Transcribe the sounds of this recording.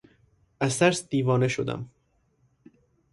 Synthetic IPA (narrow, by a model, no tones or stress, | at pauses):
æzt̪ʰæɾsd̪̥iːvɒːneʃod̪æ̰m